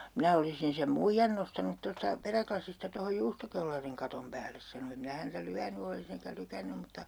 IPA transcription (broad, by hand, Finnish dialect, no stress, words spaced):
minæ olisin sem muijːɑn nostɑnut tostɑ peræklɑsistɑ tohoj juːstokelːɑriŋ kɑtom pæːlːes sɑno em minæ hæntæ lyæny olis eŋkæ lykænːym mutːɑ